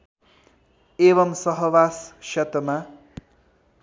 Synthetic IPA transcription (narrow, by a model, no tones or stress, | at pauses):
eβʌmsʌɦʌwasʃʌt̪ma